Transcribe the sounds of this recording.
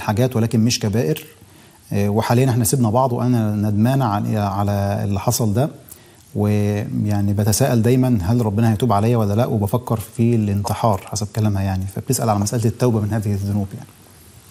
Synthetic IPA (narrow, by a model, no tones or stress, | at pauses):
ħaɡæːt̪wælæːkenmeʃkæbæːʔeɾ | weħalejːænʔeħnæsebnæbɑʕd̪ˤweʔænænæd̪mæːnæʕʕalæḛlːiħɑsˤɑld̪æ | wejaʕnibæt̪æsæːʔæld̪æjmænɦælɾˤɑbːenæhæjt̪uːbʕalæjːæwælːælæʔwebæfækːɑɾˤfilent̪eħɑːɾˤħasæb̚kælæːmhæjaʕnifæb̚t̪esʔæ̰lʕalæmæsʔælt̪et̪ːæwbæmenhæːðeheðːʊnuːbja̰ʕni